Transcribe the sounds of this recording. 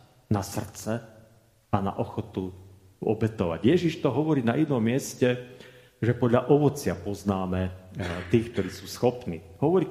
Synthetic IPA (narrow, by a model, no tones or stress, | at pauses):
nasr̩t͡sɛ | ana̰ʔɔxɔt̪u | ɔ̰bɛt̪ɔʋa̰ɟjɛʒiʃt̪ɔɦɔʋɔɾiːnaʔinɔmːɪɛscɛ | ʒɛpɔd̪ʎaʔɔʋɔt͡sɪapɔznaːmɛt̪iːk̚t̪ɔɾiːsuːsxɔpnḭːɦɔʋɔɾiː